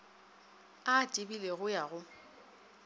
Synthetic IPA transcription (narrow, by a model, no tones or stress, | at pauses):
atʼibileɣʊjaɣʊ